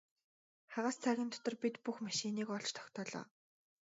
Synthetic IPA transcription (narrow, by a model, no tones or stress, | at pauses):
χaʁaːst͡sʰæɣʲɪ̆nt̪ʰɔ̥t̪ɞ̆rpit̪puxmaʃiːniːkɔɮt͡ɕt̪ʰɔ̥xt̪ɔːɮa̰ː